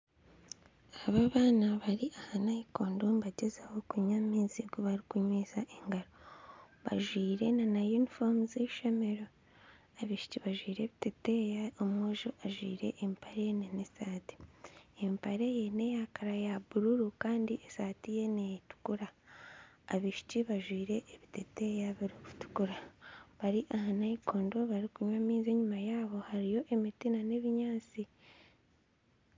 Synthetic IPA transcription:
aβaβaːnaβaɾiʔahanajikoːndonβaɟezaho̞kuɲamiːziɡoβaɾikuɲweːzaʔeŋɡaɾo | βa̰ʒwiːɾe̞nanajuːnifoːmuzeʃeme̞ɾo̞ | aβiʃi̥ciβaʒwiːɾe̞βitetejaomwoːʒoʔaʒwḭːɾe̞̰ʔːmpaɾejnenesaːti̥empaɾe̞je̞ne̞jakaɾajabuɾuɾukaːndiʔesaːtije̞netu̥kuɾaː | βiʃi̥ciβaʒwiːɾe̞ʔːβitete̞jaβaɾiku̥tu̥kuɾaβaɾiʔahanaikoːndo̞βaɾikuɲwamiːzeɲumajaːβo̞haɾijo̞ʔe̞mitinane̞βiɲaːt͡si

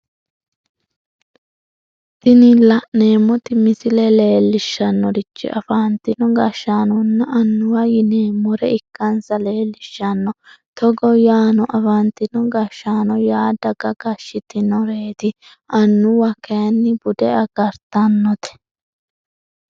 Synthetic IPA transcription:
t̪ɪnɪlɐʔneːmːɔt̪ɪmɪsɪlɛle̞ːlːɪʃːɐnːɔɾɪt͡ʃːɪ̰ʔɐfaːnt̪ɪnɔɡɐʃːaːnɔnːɐʔɐnːʊwɐjɪneːmːɔɾɛɪkːɐnsɐle̞ːlːɪʃːɐnːɔ | t̪ɔɡɔjaːnɔʔɐfɐnt̪ɪnɔɡɐʃːaːnɔjaːd̪ɐɡɐɡɐʃːɪt̪ɪnɔɾeːt̪ɪ | ɐnːʊwɐkeːnːɪbʊd̪ɛɐɡɐɾt̪ɐnːɔt̪ɛ̥

